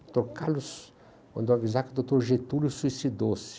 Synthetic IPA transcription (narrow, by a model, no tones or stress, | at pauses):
t̪okalʊs | kɐ̃nd̪oavizakɪd̪ot̪oɾʒet̪ulusuisid̪osɪ̥